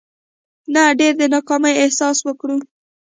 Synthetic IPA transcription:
naɖeɾd̪ənɑkɑməjɪhsɑswəkɽu

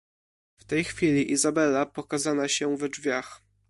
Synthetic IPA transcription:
ft̪ɛjxfʲilʲiʔizabɛlapɔkazanaɕɛvd͡ʐvʲjax

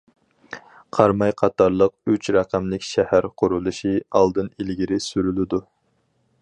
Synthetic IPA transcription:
qʰɑɾmɑjqʰɑt̪ʰɑɾlˠəq̚yt͡ʃɾɑqæmlɪkʲʃɛhæɾqʰʊɾulˠɨʃiɑlˠd̪ɨnilɡʲiɾɪsyɾylɪd̪u

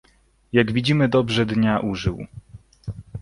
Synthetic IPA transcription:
jaɡvʲid͡ʑimɘd̪ɔbʐɛd̪ɲaʔuʐɘw

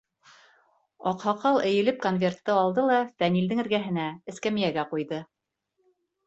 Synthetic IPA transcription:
ɑqhɑqɑlˠʔɘ̆jɘ̆lɘp̚konvʲe̞rt̪ːɤɑlˠd̪ɤlˠɑfænild̪ɘŋɘ̆ɾɡæɦɘ̆næɘ̆skæmɘ̆jæɡæqujðɤ

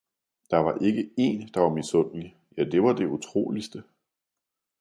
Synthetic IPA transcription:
d̥ɑ̈ʋɑ̈ʔe̝ɡ̥əe̝̰ːnd̥ɑ̈ʋɑ̈misɔn̰li | jæd̥e̝ʋɑ̈d̥e̝ut͡sʰʁo̝̰ːlisd̥ə

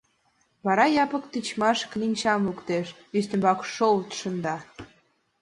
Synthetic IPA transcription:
βɑɾɑjɑpə̆kt̪it͡ɕmɑʃklʲinʲt͡ɕɑmlukt̪eʃ | yst̪ə̆mbɑkʃolt̪ʃə̆nd̪ɑ

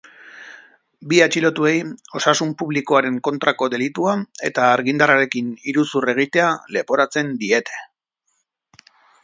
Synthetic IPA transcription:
biat͡ʃilo̞t̪ue̞jo̞sasumpuβliko̞aɾe̞ŋko̞nt̪ɾako̞d̪e̞lit̪uae̞t̪aːɾɣind̪araɾe̞kiniɾusure̞ɣ̞it̪e̞ale̞po̞ɾat͡se̞nd̪ie̞t̪e̞̥

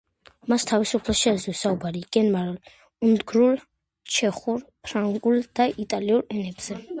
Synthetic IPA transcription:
mast̪ʰavisupʰlɛʃɛzɔsaubaɾiɡ̥ɛnmaɾl | und̪ɡɾul | t͡ʃʰɛχuɾpʰɾaŋɡʼuld̪̥aʔit̪ʼaliuɾɛnɛbz̥ɛ

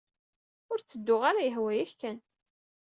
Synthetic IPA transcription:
ʊɾt͡sːəd̪ːʊʁaɾæjəɦwæjæçkːæn

